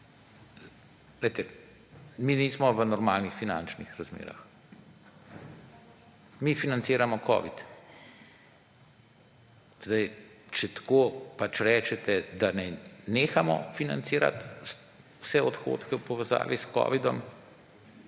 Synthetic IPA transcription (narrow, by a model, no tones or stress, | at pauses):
leɪt̪ɛ | miːniːsmɔʋənɔɾmaːlnixfina̰nt͡ʃnixɾazmḛːɾa̰x | mifinant̪siːɾamɔkɔ̰ːʋḭt̪ | z̥d̪ajt͡ʃɛt̪ḁkoːpat͡ʃɾɛːt͡ʃɛt̪ɛd̪anajneːxamɔ̰fina̰nt̪siːɾa̰t̪s | wsɛɔt̪xo̰ːt̪kɛwpɔʋɛza̰ːʋiskɔ̰ːʋid̪ɔm